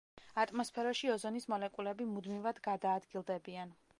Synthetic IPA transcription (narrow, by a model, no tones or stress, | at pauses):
at̪ʼmɔspʰɛɾɔʃiɔzɔnismɔlɛkʼulɛbimud̪mivad̪ɡad̪aːd̪ɡilˠd̪ɛbian